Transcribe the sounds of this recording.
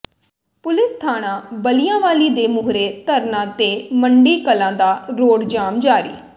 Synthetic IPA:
pʊlɪst̪ʰaːɽãːbəlijãːʋaːliːd̪eːmʊɦɾeːt̪əɾnãːt̪eːməɳɖiːkəlãːd̪aːɾoːɽd͡ʒaːmd͡ʒaːɾḭː

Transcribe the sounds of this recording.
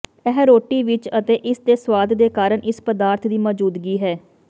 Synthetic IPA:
ɛɦɾoːʈːiːʋɪt͡ʃət̪eːʔɪsd̪eːswaːd̪d̪eːkaːɾəɳʔɪspəd̪aːɾt̪ʰd̪iːmɔːd͡ʒuːd̪ɡiːɦɛː

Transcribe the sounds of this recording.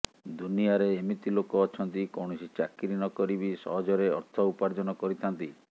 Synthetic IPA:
d̪unijaɾeːmit̪ilokɔːt͡ʃʰɔnt̪ikɔwɳ̃ɔsit͡ʃakiɾinɔkɔɾibisɔ̰ɦɔd͡ʒɔɾeɔ̰ɾt̪ʰɔupaɾd͡ʒɔnɔkɔɾit̪ʰant̪i

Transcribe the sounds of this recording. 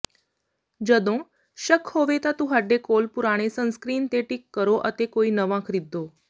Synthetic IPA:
d͡ʑəd̪õ | ɕəkhoʋet̪at̪ũɦəɖekoːlpuɾaɽ̃esə̃nskɾiːnt̪eʈikːəɾoʔə̰t̪ekoiːnəʋãkʰɾid̪ʱːo

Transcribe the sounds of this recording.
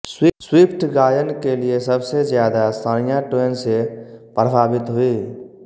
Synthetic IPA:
swiswiːpʰʈɡaːjənkeliesəbsezjaːd̪ast̪ʰaːnijaʈeːnsepɾəbʱaːbɪt̪ɦʊiː

